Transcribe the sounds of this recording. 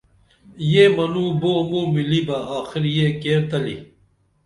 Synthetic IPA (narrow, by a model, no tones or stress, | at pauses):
jemɐnuːboːmuɾmilibɐaːxiɾjeːkeːɾt̪ɐlḭ